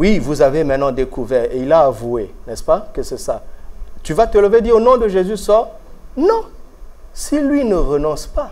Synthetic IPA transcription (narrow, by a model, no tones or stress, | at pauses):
wivuzavemɛ̃t̪nɑ̃d̪ekuvɛʁeilaːvuenɛspakəsɛsat̪yvat̪ələved̪iʁonɔ̃d̪əʒezysɔʁ | nɔ̃ | silɥinəʁənɔ̃spa